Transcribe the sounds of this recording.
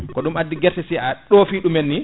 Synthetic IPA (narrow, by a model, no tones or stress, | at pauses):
kɔɗumadːiɡɛɾsɛsiaɗofiɗumenːi